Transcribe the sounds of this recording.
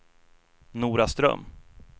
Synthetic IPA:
nuːɾast̪ɾœ̰mː

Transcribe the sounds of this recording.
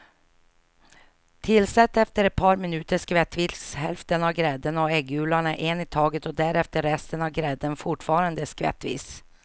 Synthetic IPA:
t̪ʰɪlsɛt̪ːɛft̪əɾɛt̪̚pʰɑːɾmɪnʉːt̪əʂkvɛt̪ːviːshɛlft̪ənɑvɡɾɛd̪ənɔɛɡʉːlaɳəʔeːnɪt̪ʰɑːɡət̪ɔd̪æɾɛft̪əɾːɛst̪ənɑvɡɾɛd̪ənfʊʈfɑːɾand̪əskvɛ̰t̪ːvḭːs

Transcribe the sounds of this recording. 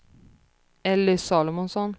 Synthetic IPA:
ɛlːəsɑːlɔmɔnsɔn

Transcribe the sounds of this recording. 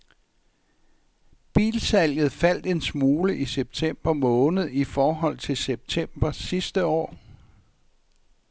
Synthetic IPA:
b̥ḭːlsæl̰jð̞̩ˠfæl̰d̥e̝nsmuːləʔiseb̥̚t͡sʰem̰b̥ɐmɔ̽ːnð̩ˠifɒːɦɒ̽l̰t͡sʰe̝lseb̥̚t͡sʰem̰b̥ɐsːisd̥əɒ̰ː

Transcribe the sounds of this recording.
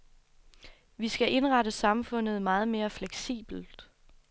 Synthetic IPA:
ʋisɡ̥æʔe̝nʁɑ̈ɾəsɑ̈mfɔ̽n̰ð̞̩ˠmɑ̈ːð̞̩ˠme̝ːɐfleɡ̥sḭːb̥l̩d̥

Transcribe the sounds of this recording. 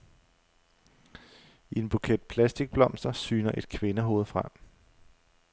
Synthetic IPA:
ie̝nb̥ukʰed̥̚pʰlæsd̥iɡ̥̚b̥lɒ̽m̰sd̥ɐsyːnɐʔe̝d̥kʰʋe̝nəɦo̝ːð̞̩ˠfʁam̰

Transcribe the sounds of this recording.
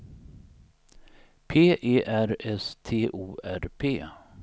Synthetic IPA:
pʰeːʔeːʔæɾɛst̪ʰeːʔuːʔæɾpʰeː

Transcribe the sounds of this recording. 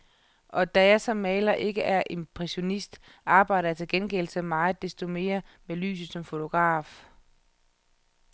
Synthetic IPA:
ʔɒ̽d̥æjɑ̈sɒ̽mːɛːlɐʔe̝ɡ̥əʔæɐʔe̝mpʰʁɛɕo̝nisd̥ | ɑ̈ːb̥ɑ̈ɪɾɐjɑt͡sʰe̝lɡ̥enɡ̥el̩səmɑ̈ːð̩ˠd̥e̝sd̥o̝me̝ːɐmely̰ːs̬ð̩ˠsɒ̽mfo̝t͡sʰo̝ɡ̥ʁɑ̰̈ːf

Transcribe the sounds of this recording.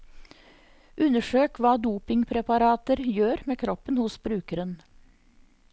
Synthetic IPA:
ʔʉnəʃøːkʋɑːd̪uːpɪŋpʰɾɛpɑɾɑːt̪əɾjøːɾmeːkʰɾɔpənhʊsbɾʉːkəɾən

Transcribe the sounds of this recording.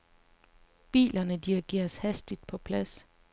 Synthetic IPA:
b̥ḭːlɐnəd̥iʁiɡ̥e̝̰ːɐshæsd̥id̥̚pʰɒ̽pʰlæs

